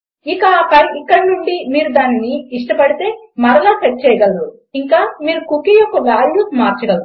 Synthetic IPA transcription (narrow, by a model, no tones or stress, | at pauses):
ikakɐɽiikːɐɽinuɳɖimiːɾud̪aːnniːʂʈɐpɐɽit̪e̞ːmɐɾɐlaːt͡ʃɐʈ̚ːt͡ʃɛjɡɐlːu | iŋkaːmiːɾukukijɔkːɐʋaːljuːsmaːɾt͡ʃɐɽɐd̪u